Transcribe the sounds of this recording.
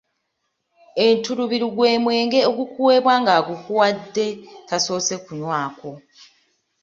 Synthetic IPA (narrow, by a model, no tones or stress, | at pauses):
entuɾuβiɾuɡwe̞ːmwe̞ːŋɡe̞oɡukuwe̞ːβwaːŋɡaːɡukuwadːe̞taso̞ːse̞kuɲwaːko̞